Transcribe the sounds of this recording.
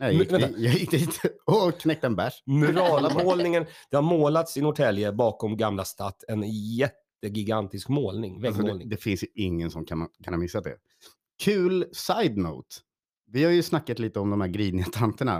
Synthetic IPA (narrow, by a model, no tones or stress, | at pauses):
ɛɛnjɑjɪk̚t̪əhiːt̪ɔkʰnɛk̚t̪aɛnbæʂmʉɾɑːmoːlnɪŋənd̪̥ɛhaɾmoːlat̪sɪnʊʈ̪ʰɛljəbɑːkɔmɡamlast̪ɑːt̪ːɛnjɛt̪ːəɡɪɡant̪ɪskmoːlnɪŋvɛɡmːlnɪd̪ɛfɪnsjɪŋːənsɔmkʰankʰanhaɾmɪsːad̪ɛ̰ | kʰʉ̟ːlsajd̪nɔ̰ːt̪ | vɪhaɾjɵsnakːat̪liːt̪əɔmd̪ɔmhæːɾɡɾiːd̪nɪat̪ʰant̪əɳa̰